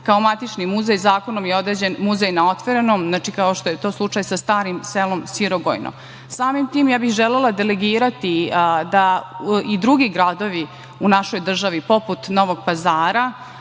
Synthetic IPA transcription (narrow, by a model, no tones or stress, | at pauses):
kaomat̪it͡ʂnimuzejzaːko̞nomjeo̞d̪ɾeːd͡ʑenmuzejnao̞t̪ʋoɾenomznaːt͡ʃikaoʃt̪ojet̪o̞ːslˠut͡ʂajsast̪aːɾimselˠo̞msiɾoɡo̰jno̰ | saːmimt̪iːmjaːbixʒelelˠad̪e̞leɡiːɾat̪id̪aid̪ɾuɡiɡɾad̪o̞ʋi | unaʃo̞jd̪r̩ʒaʋipo̞put̪no̞ʋo̞ɡ̚pazaːɾa